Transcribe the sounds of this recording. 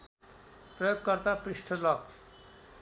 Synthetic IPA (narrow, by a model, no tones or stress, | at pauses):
prʌjoɡ̚kʌrt̪aprisʈʰʌlʌk